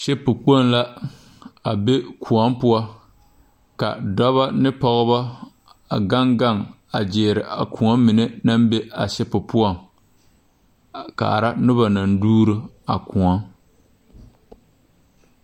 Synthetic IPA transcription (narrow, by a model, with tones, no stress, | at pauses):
ʃɛ˦pɨ˨k͡po˦n˦la˦ | a˨be˦kʰu˨a˦mpʊ˦a˦ | ka̰˨dɔ˦βa˦nɨ˦pɔ˦ɣɨ˦ba˦ | a˨ɡa˦ŋɡa˦˨ŋ | a˨d͡ʒeː˨ɾɪ˨ʔa̰˨ku˨ŋa˦mɪ˨nɛ˦na˦m˦be˦a̰˨ʃɛ˦pɨ˨pʊ˦a˦˨ŋ | ka̰˨ɾa˦nʊ˦ba˨na˨n˦duː˦ɾɨ˦ | a̰˨ku˨a˦